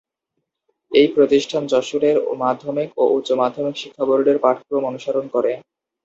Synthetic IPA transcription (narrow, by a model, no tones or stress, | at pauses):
ejpɾot̪iʃʈʰand͡ʑɔʃuɾeɾmad̪ʱːomikoʔutːɕomad̪ʱːomikʃikʰːaboɾɖeɾpaʈʰpɾomonuʃaɾonkɔɾe